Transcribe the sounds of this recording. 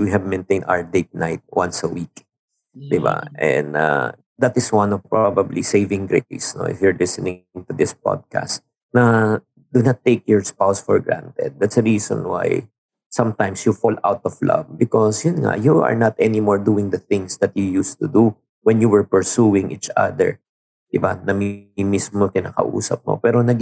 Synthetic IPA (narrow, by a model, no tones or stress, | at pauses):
wiɦɛvmɛ̃nt̪ẽjnd̪a̰wd̪eɪt̪̚naɪt̪̚wɐ̰̃nsɐwik | d̪ɪba̰ʔɛ̰̃nd̪a̰ | d̪at̪ɪswɐ̃nɔvpɹabɐbliseɪvɪ̃ŋɡɹetḭsno̰ʔɪ̰fjʊɹlɪsɛnɪ̃ŋt̪ʊd̪ɪspɔ̰d̪̚ka̰st̪ | nɐ | d̪̥unat̪ːeɪkjɔɹspawsfɔɹɡɹã̰nt̪ɛ̰d̪̚ːat̪sɐɹiːsɔ̰̃nwa̰j | sɐ̃mt̪ãjmsjufɔlʔawt̪ɔvla̰vbɪkɔsjʊnŋa̰ʔjuɐ̰ɹnat̪ʔɛnɪmɔɹd̪uːɪ̃ŋd̪ɐθɪ̃ŋsd̪ɐt̪̚jujust̪ud̪u | wɛnjuwɛɹpɛɹsuɪ̃ŋʔit͡ʃa̰d̪ɛ̰ɹ | d̪̥ɪbanɐmimismot̪ɪna̰ːkɐ̰ʔṵːsɐp̚mo̰pɛːɾonɐɡ